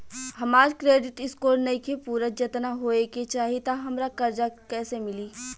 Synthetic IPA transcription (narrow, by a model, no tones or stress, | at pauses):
hɐmaːɾikɾeːɖɪʈɪskoːɾnɐikʰepuːɾəd͡ʒɐt̪naɦoːeket͡ʃaːɦiet̪aɦɐmɾakɐɾd͡ʒakɛːsemɪliː